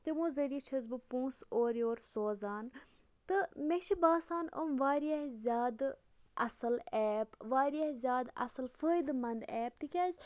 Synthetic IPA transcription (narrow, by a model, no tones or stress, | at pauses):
t̪emũːzɐɾiit͡ʃʰɐzbɨpũːsoːɾjoːɾsoːzaːn | t̪ɨmeʃibaːsaːnʔə̰mʋaːɾiaɦzʲjaːd̪ | ʔɐ̰sɐlɛːpʋaːɾijaɦzʲjaːd̪ɐ̰sɨlfəːjd̪mɐnd̪ɛːp̚t̪ikʲaːzʲ